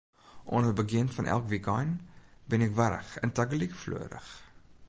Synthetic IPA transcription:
ʔɔnərbəɡiənfɐnʔæ̰lˠkvikɑjnbənɛkvæɾəχəntɐɡəlikflṵəɾə̰χ

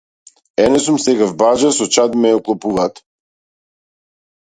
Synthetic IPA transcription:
ɛnɛsumsɛɡavbad͡ʒasɔt͡ʃad̪mɛɔklˠɔpuvaːt̪

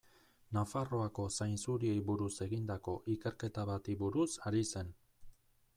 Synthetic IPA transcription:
nafaro̞ako̞sajnsuɾie̞jβuɾuse̞ɣind̪ako̞ʔike̞ɾke̞t̪aβat̪iβuɾusaɾise̞n

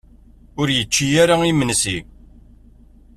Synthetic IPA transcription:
ʊɾjət͡ʃːijaɾaimənsi

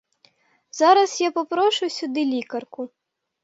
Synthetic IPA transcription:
zaɾɐsjapɔpɾɔʃʊjsʲʊd̪ɨlʲikɐrkʊ

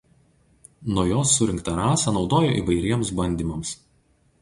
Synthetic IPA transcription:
nuɔjoːsːʊɾʲɪŋkt̪ɐɾɑːsɐnɒʊd̪oːjoːʔḭːʋɐɪɾʲiɛmsbɐnʲd̪ʲiːmɐms

